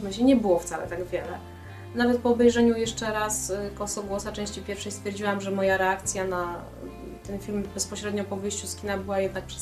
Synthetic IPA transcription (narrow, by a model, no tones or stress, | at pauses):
mɘɕɛɲɛbɘwɔft̪salɛ̰t̪aɡvʲjɛlɛ | navɛt̪̚pɔːbɛjʐɛɲujɛʂt͡ʂɛɾaskɔsɔɡwɔsat͡ʂɛ̃w̃ɕt͡ɕipʲjɛɾfʂɛjst̪fʲjɛɾd͡ʑiwamʐɛmɔjaɾɛakt̪sʲjana | t̪ɛnfʲilmbɛspɔɕɾɛd̪ɲɔpɔvɘjɕt͡ɕuskʲinabɘwajɛd̪nak̚pʂɛ̥